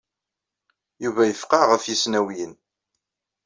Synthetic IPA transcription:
juvæjəfqɑʁəfjisnæwjən

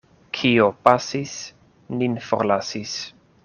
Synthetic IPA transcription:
kʰiopasis | ninfoɾlasis

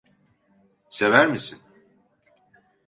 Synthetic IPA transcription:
se̞væɾmisin

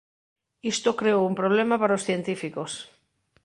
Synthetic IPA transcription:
ist̪okɾeoumpɾoβ̞lemapaɾaosθjent̪ifikos

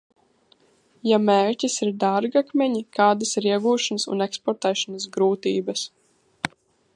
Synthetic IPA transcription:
jameːɾcʲisiɾd̪aɾɡakmʲɛɲikaːd̪ɐsiɾiɛɡuːʃanɐsṵnɛkspɔɾt̪ɛːʃanɐs̬ɡɾuːt̪ḭːbɐs

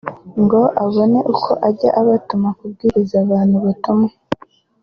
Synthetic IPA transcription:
ŋɡo̞ʔaβo̞neʔukʰo̞ʔaɟa̰ʔaβatumakub̚ɡiːɾizaβaːnhuβatuma

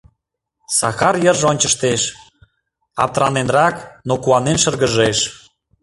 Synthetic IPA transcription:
sɑ̰xɑrjərʒonʲt͡ɕəʃt̪eʃ | ɑ̰p̚t̪ɾɑnenrɑknokuɑnenʃə̆rɣəʒeʃ

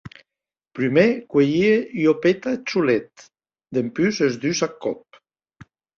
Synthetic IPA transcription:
pɾymekwejieʎjopet̪at͡ʃulet̪ | d̪empysezd̪ysakːɔp̚

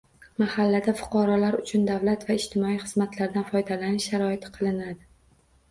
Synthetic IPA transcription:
mahalːad̪afʊ̥qʰɑɾɒlaɾʊt͡ʃʰʊnd̪avlat̪vaɪʃt̪ʰɪmɒijχɨzmat̪ʰlaɾd̪anfɒjd̪alanɪʃːaɾɒɪt̪ʰqʰɨlˠɪnad̪ɪ

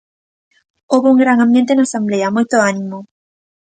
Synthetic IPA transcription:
oβouŋɡɾaŋãmbjent̪enasambleamojt̪oanĩmo

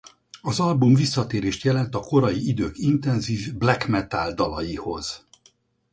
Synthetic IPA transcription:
ɒzɒlbumvisːɒt̪eːɾeːʃt̪jɛlɛnt̪ɒko̞ɾɒjiid̪øːkint̪ɛnziːvblɛkmɛt̪ald̪ɒlɒjiho̞̰z̥

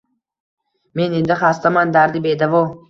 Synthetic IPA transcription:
menind̪aχast̪amand̪aɾd̪ibed̪avɔ

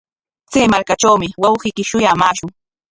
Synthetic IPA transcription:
t͡seːmaɾkat͡ʃawmɪwɑwɢɪːkɪʃʊjamaːʃʊŋ

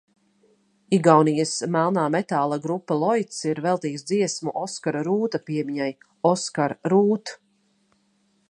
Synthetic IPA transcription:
iɡawnijəsmælˠnaːmɛt̪aːlˠaɡɾupːalˠɔjt̪siɾvɛlˠt̪iːksd̪ziɛsmuʔɔskaɾaɾuːt̪apiɛmiɲaj | ɔskaɾɾuːt̪

